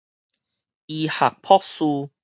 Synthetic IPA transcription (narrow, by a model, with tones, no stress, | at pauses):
i˧ha˨˩k̚pʰɔ˦˥k̚su˧